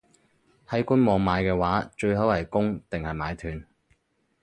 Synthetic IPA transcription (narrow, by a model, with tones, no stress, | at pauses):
hɐ˨˥jkuː˥nmɔː˨˩ŋmaː˨˧jkɛː˧waː˨˥t͡ʃɵ˧ɥɦɐ˨˥whɐ˨˩jkʊ˥ŋt̪ɪ˨ŋhɐ˨jmaː˨˧jt̪ʰyː˨˧n